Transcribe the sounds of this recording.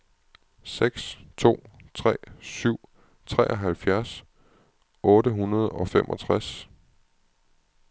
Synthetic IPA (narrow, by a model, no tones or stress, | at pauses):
seɡ̥st͡sʰo̝̰ːt͡sʰʁɛ̰ːsyʊ̰ | t͡sʰʁɛ̰ːʔɒɦælfjæɐs | ɔ̽ːɾəɦunɐð̞ˠɒ̽femʔɒ̽t͡sʰʁas